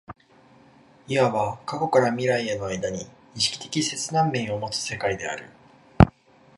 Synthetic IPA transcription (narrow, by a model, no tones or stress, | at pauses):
iaβakako̞kaɾamʲiɾaiano̞aid̪aɲ̟iː | ɕi̥kʲi̥t̪e̞kʲise̞t͡sɨnãmːẽ̞ɰ̃o̞mo̞t͡sɨ̥se̞kaid̪e̞a̰ɾɯ̟̰